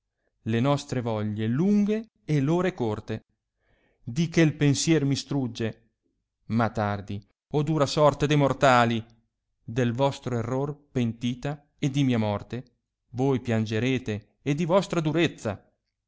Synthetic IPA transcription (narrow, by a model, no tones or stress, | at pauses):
lenɔst̪ɾevɔʎːeluŋɡeː | loːɾekort̪e | d̪ikelpensjɛːɾmist̪ɾud͡ʒːe | mat̪ːard̪i | od̪uːɾasɔrt̪ed̪ejmort̪aːli | d̪elvɔst̪ɾoerːorpent̪iːt̪a | ed̪ːimiːamɔrt̪e | vojpjand͡ʒeɾeːt̪eː | d̪ivɔst̪ɾad̪uɾet̪sːa̰